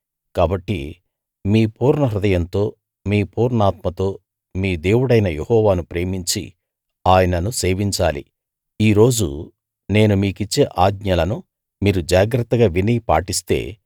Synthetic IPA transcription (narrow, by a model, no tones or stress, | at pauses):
kaːbɐʈːḭ | miːpuːɾnɳɐɦɾud̪ɐjɐnt̪o̞ː | miːpuːɾɳaːt̪mɐt̪o̞ː | miːd̪e̞ːwuɽɐjnɐjehɔːʋaːnupɾe̞ːmiɲt͡ʃḭ | aːjɐnɐnuse̞ːʋiɲt͡ʃa̰ːlḭ | iːɾo̞ːd͡ʒṵ | ne̞ːnumiːkit͡ʃːeːʔaːɡɲɐlɐnu | miːɾud͡ʒaːɡɾɐt̪ːɐɡaːʋinijpa̰ːʈist̪e̞̰ː